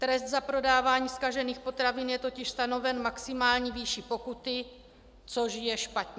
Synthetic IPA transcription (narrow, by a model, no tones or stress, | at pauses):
t̪ɾɛst̪zapɾo̞daːvaːɲiːskaʒɛniːxpo̞t̪ɾavɪnjɛt̪o̞cɪʃst̪ano̞vɛnmaksɪmaːlɲiviʃipo̞kut̪ɪ | t͡so̞ʒjɛʃpat̪ɲɛ